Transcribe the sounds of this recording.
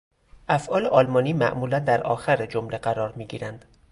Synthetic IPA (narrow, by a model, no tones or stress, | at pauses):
ʔæfʔɒːleʔɒːlmɒːniːmæ̰ʔmuːlænd̪æɾʔɒ̰ːxæɾed͡ʒomle̞ɢæɾɒːɾmiːɟiːɾænd̪̥